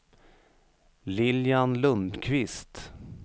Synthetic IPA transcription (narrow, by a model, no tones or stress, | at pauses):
lɪljanlɵnd̪kʰvɪst̪